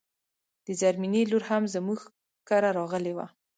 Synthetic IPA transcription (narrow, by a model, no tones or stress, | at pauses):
d̪̥əzaɾmineloɾhamzəmuɡ | kaɾaɾɑɣəlewa̰